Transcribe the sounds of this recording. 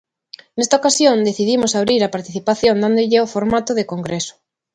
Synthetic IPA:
nest̪aokasjõnd̪eθiðimosaβ̞ɾiɾapaɾt̪iθipaθjõnd̪and̪ʊʎɪofoɾmat̪ʊðekoŋɡɾesʊ̥

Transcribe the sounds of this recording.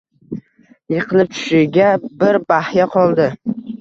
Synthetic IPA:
jɨqʰɨlˠɪp̚t͡ʃ̪ʰʊ̥ʃɪɡʲabɪɾbahjaqʰɒlˠd̪ɪ

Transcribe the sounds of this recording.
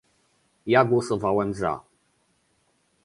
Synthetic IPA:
jaɡwɔsɔvawɛmza̰

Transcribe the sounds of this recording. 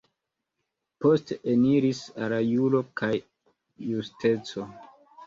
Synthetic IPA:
po̞steniɾisaɾajulo̞kʰajː | uste̞t͡so̞

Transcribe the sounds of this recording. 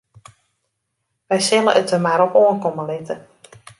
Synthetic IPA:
ʋɛjsɪləʔətəmaɾopoənkoməlɪtə

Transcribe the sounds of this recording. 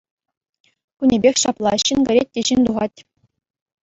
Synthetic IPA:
kunʲebʲexʲɕɑplˠɑɕɘnɡɘ̆ɾʲet̚ʲːeɕinʲt̪uʁɑtʲ

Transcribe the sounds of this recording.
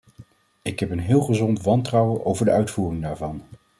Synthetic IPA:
ɪkɦɛpənɦɪːlˠχəzɔntʋɑntrɑwəʔowvəɹdəœɥtfuːrɪŋdaːɹvɑn

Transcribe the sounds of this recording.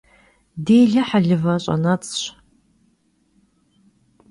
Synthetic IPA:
deːjɮɐħaɮɨvɐɕʷʼa̰nat͡sʼɕʷ

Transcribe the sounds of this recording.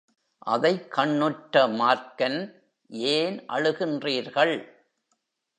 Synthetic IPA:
ʔɐ̰ðɐɪkːɐɳːɯʈːɐmaːɾkɐn | ʔeːnʔɐ̰ɻɯɣɪndriːɾɣɐɭ

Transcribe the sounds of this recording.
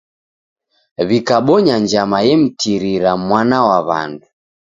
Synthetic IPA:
βikaɓɔɲaɲd͡ʒamajɛm̩tiɾiɾamwanawaβa̰ndu

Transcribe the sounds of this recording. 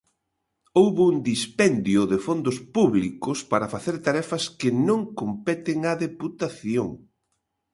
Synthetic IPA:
owβuŋd̪ispɛnd̪jʊðɪfond̪ʊspuβlikʊspaɾɐfaθeɾt̪aɾɛfɐskɪnõŋkompɛt̪ɪŋɐðeput̪aθjoŋ

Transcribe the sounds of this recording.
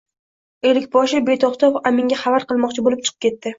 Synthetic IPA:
elɪkʲbɒʃɪbe̞t̪ʰɒχt̪ʰɒpamɪŋʲaχavaɾqɨlˠmɒqt͡ʃʰɪbolɪp̚t͡ʃʰɨ̥qɨ̥p̚kʲe̞t̪ːɪ

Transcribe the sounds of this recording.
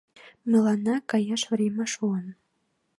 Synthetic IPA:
mɘ̆lɑnɑkɑjɑʃvɾʲemæʃuən

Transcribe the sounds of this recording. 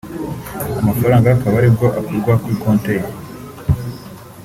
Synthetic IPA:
amafaɾaːŋɡakaβaɾibɡo̞ʔakoɾɡwakwikoːntej

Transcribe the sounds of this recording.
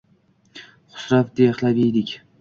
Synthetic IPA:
χʊ̥sɾafd̪ejχlabijd̪ɪkʲ

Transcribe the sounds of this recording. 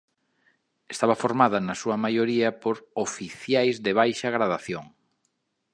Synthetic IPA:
est̪aβɐfoɾmaðɐnɐsuɐmajoɾiɐpoɾofiθjajzðeβ̞ajʃɐaɣɾaðaθjoŋ

